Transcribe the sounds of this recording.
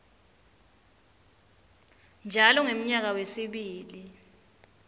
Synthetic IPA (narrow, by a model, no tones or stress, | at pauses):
nd͡ʒʱalɔŋem̩ɲak̬awesiɓiːli